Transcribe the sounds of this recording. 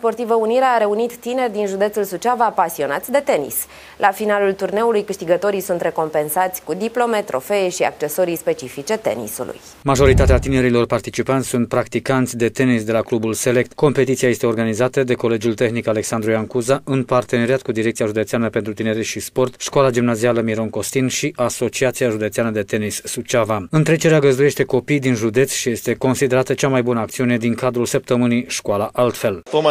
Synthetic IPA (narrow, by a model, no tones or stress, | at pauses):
spo̞rt̪ivəuniɾeaːɾe̞unit̪ːine̞rʲd̪inʒud̪e̞t̪sulsut͡ʃavapasio̞nat̪sʲd̪e̞t̪e̞nḭs | lʔafinalult̪urne̞ulujkɨʃt̪iɡət̪o̞ɾijsunt̪ɾe̞ko̞mpe̞nsat̪sʲkud̪iplo̞me̞t̪ɾo̞̰fe̞eʃia̰k̚t͡ʃe̞so̞ɾijspe̞t͡ʃifit͡ʃe̞t̪e̞̰nḭsṵlṵj | maʒo̞ɾit̪at̪eat̪ine̞ɾilo̞rpart̪it͡ʃipant̪ʲsunt̪̚pɾakt̪ikant̪sʲd̪e̞t̪e̞nisd̪e̞laklubulse̞le̞k̚t̪ko̞mpe̞t̪it̪siaje̞st̪e̞o̞rɡanizat̪əd̪e̞ko̞le̞d͡ʒult̪e̞xnikale̞ksand̪ɾujaŋkuzaʔɨnpart̪e̞ne̞ɾiat̪kud̪iɾe̞k̚t̪ijaʒud̪e̞t̪sianəpe̞nt̪ɾut̪ine̞ɾeʃispo̞rt̪ʃkoalad͡ʒimnazialəmiɾo̞ŋko̞st̪inʃiʔaso̞t͡ʃiat̪siaʒud̪e̞t̪seanəd̪e̞t̪e̞nisːut͡ʃavaɨnt̪ɾe̞t͡ʃe̞ɾeaɡəzd̪uje̞ʃt̪e̞ko̞pijd̪inʒud̪e̞t̪sʲʃije̞st̪e̞ko̞nsid̪e̞ɾat̪ət͡ʃamajbunəak̚t̪siune̞d̪iŋkad̪ɾulsəp̚t̪əmɨnijʃkualaʔalt̪fe̞lo